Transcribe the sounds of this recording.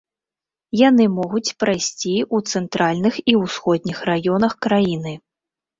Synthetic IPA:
janɨmɔɣut͡sʲpɾajsʲt͡sʲiut̪sɛnt̪ɾalʲnɨxiwsxɔd̪̚ʲnʲixrajɔnɐxkɾajinɨ

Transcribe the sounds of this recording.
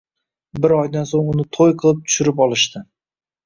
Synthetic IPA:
bɪɾɒjd̪ansoŋʊnɪt̪ʰojqʰɨlˠɪp̚t̪ʰʊ̥ʃɪɾɪpɒlˠɪʃt̪ɪ

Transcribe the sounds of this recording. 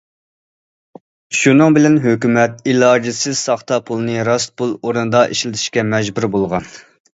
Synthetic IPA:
ʃunɨŋbɪlɛnɦøkʲymɛt̪ilˠɑd͡ʒisɪz̥sɑχt̪ɑpʰulˠnɨɾɑst̪̚pʰulˠoɾunɨd̪ɑʔḛʃlɪt̪ʰɪ̥ʃkʲɛmɛd͡ʒbuɾbolˠʁɑn

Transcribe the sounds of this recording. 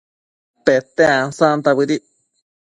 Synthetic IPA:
pet̪eãsãnt̪aβɨɾi

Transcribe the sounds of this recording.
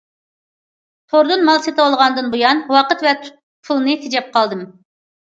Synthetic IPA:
t̪ʰoɾd̪ɨnmɑlˠset̪ɨɑlˠʁɑnd̪ɨnbujɑnwɑqət̪vɛt̪ʰ | pʰulˠnɨsed͡ʒɛp̚qʰɑlˠd̪ɨm

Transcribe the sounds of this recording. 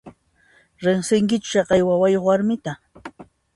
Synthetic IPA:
ɾɪŋsɪŋkɪt͡ʃʊ̥ʃɑqɑjwawajoχwaɾmɪt̪a

